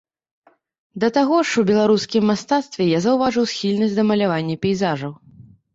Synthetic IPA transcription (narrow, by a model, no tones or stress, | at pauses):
d̪ɐt̪aɣɔʂwbʲɛlˠaɾuskʲimːast̪at̪st̪vʲɛjazɐwvaʐɨwsxʲilʲnɐsʲd̪ɐmɐlʲavanʲːɐpʲɛjzaʐɐw